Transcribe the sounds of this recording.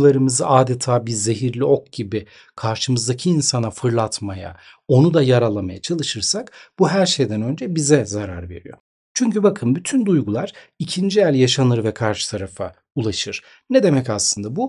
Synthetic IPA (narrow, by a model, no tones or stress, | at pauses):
lˠaɾɯmɯzɯʔaːd̪et̪ʰaːbiɾze̞ɦiɾlʲio̞kɟ̥ibɪ | kʰaɾʃɯmɯzd̪acʰiːnsanafɯɾlˠat̪maja̰ | o̞nud̪ajaɾalˠamajat͡ʃʰalˠɯʃɯɾsakb̥uɦæɾʃe̞jd̪ænø̞nd͡ʒɛbizɛzaɾa̰ɾve̞̰ɾḭjo̞̰ɾ | t͡ʃʰyɲcybakʰɯnbyt̪ʰynd̪ujɡulˠaɾ̥icʰind͡ʒijælʲjaʃanɯɾvɛkʰaɾʃɯ̥t̪ʰaɾafa̰ | ulˠaʃɯɾ̥ | nɛd̪e̞mɛcaslˠɯnd̪abu